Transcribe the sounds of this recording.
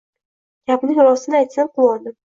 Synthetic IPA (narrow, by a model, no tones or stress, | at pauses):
ɡʲapnɪŋɾɒsɪnɪajt̪sanqʊlˠɒd̪ɪ